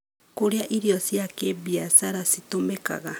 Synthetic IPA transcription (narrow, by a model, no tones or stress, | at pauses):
kuɾiaʔiɾiosiakebiasaɾasit̪omeka̰ɡa